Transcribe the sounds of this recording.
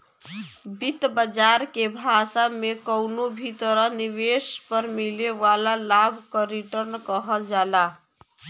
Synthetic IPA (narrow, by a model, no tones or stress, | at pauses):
bit̪bəd͡ʒaɾkebʱasamekəwnobʱit̪əɾəniʋespəɾmileʋalalabʱkəɾiʈəɾnkəɦəld͡ʒala